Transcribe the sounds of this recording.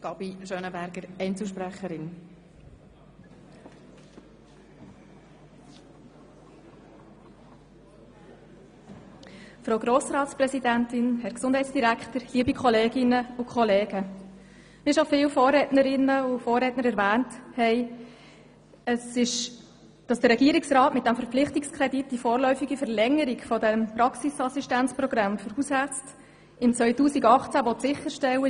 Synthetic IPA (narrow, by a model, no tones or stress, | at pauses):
ɡ̥ɑb̥iʃøːnəbæɾɡ̥əɾɛɪnt͡sl̩ʃpɾæχəɾɪn | fɾoʊɡɾoːsɾɑːtsprɛsidæntɪnhɛɾksʊnd̥hɛɪt͡ssd̥iɾækχtəɾliəbikʰɔleːɡɪnəʊkʰχɔleːɡ̥ə | mɪʃofɪːwfɔːrɛtnəɾɪnəʊfoːɾɛːtnəɾɛɾvæːnthɛɪ | əsɪʃ | d̥ɑsd̥əɾːɛɡiəɾɪksɾɑːtmɪt̚d̥æmfəɾpp͡flɪχtɪkskʰɾɛditd̥ifɔːɾlœʏfiɡifəɾlɛŋːəɾɪkfɔdɛmpɾɑksisɑsiʃtænt͡spɾɔɡ̥ɾɑmfəɾushæt͡st | ɪmt͡sʋœʏtuːsiɡɑχt͡sæʋɔt̪sɪχːəɾʃtɛwə